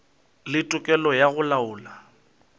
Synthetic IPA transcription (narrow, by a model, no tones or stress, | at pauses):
lɪtʼʊkʼɛlɔjaɣʊlaʊːla